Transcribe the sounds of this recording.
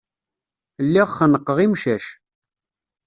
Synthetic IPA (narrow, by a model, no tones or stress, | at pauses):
lːiʁχənəqːəʁimʃæʃ